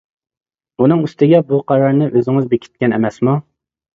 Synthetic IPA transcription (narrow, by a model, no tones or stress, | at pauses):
unɨŋyst̪ɪɡʲɛbuqʰɑɾɑɾnɨʔøzɪŋɪzbekʲʰi̥t̪̚kʲɛnɛ̰mɛsmu